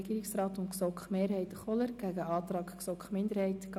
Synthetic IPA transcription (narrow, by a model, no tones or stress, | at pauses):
ɡ̥iːɾɪksrɑːt̪ʊntksɔkχmeːɾɦɛɪtχɔləɾɡ̥æɡəʔɑːt̪rɑːkksɔkχmɪndəɾhɛɪtk